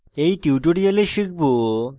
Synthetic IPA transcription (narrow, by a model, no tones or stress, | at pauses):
ejʈiwʈoɾioleʃik̚ʰbo